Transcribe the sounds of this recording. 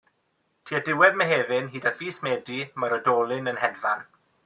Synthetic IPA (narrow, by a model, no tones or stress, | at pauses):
tʰiːadɪwɛdmɛɦeːvɪnɦiːdafiːsmeːdimaɾɔdɔːlˠɪnənɦɛdvan